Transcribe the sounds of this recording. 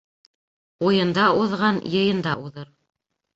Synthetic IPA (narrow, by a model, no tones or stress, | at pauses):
ujɤ̆nd̪ɑuðʁɑnjɤ̆jɤ̆nd̪ɑʔuðɤɾ